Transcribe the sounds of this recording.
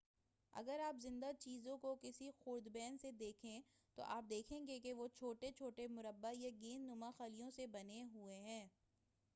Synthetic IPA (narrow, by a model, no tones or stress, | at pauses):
ɐ̰ɡəɾaːpzɪ̃nd̪at͡ʃiːzõkokɪsixʊːɾd̪bɛːnsed̪eːkʰẽ | t̪o̰ʔaːp̚d̪eːkʰẽːŋɡekeʋot͡ʃʰoːʈet͡ʃʰoːʈemʊɾəbːajaɡiːnːʊmaxalijõsebɐneɦueɦɛ̃ː